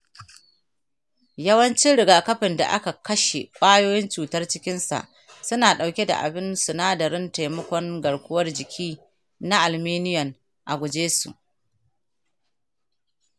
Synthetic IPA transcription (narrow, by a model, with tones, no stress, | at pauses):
jɐ˦wɐ˦nt͡ʃɪ˦nɽɪ˨ɡaː˨kɐ˦ɸɪ˨nda̰˨ʔa̰˦ka˨kɐ˦ʃe˨kʷʼaː˦joː˦jɪ˦nt͡ʃuː˨tɐ˦rt͡ʃɪ˦kʲɪ˦nsa̰˨ʔ | sʊ˦naː˨ɗa˨wkʲe˦da̰˨ʔa̰˨bɪ˦nsʊ˨naː˦dɐ˨ɾɪ˦nta˨jmɐ˦kʷɔ˦ŋɡɐ˨ɽkʷʊ˦wɐ˦rd͡ʒɪ˨kʲʰiː˦ | na˦ʔa˨lmeː˦nɪ˦jɐ˨n | ʔa˨ɡʷʊ˨d͡ʒeː˦sṵ˨ʔ